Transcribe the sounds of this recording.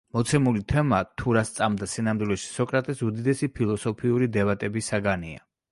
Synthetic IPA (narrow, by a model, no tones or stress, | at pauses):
mɔt̪sʰɛmulit̪ʰɛmat̪ʰuɾast̪sʼamd̪asinamd̪wilɛʃi̥sɔkʼɾat̪ʼɛsud̪id̪ɛsipʰilˠɔsɔpʰiuɾid̪ɛbat̪ʼɛbisaɡania̰